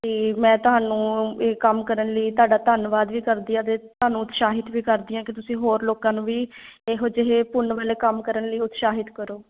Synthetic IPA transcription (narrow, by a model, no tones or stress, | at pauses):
t̪eːmɛ̃ːt̪ʊɦaːnũːeːkəmkəɾənləiːt̪ʊaːɖaːt̪ənʋaːd̪ʋiːkəɾd̪iːãːt̪̬eːt̪ʊɦaːnũːʊt̪ʃaːɦɪt̪ʋiːkəɾd̪iːãːkɪt̪ʊsĩːɦoːɾloːkãːnũːʋiː | eɦod͡ʒɪɦeːpʊnʋəleːkəmkəɾənləiːʊt̪ʃaːɦɪt̪kəɾoː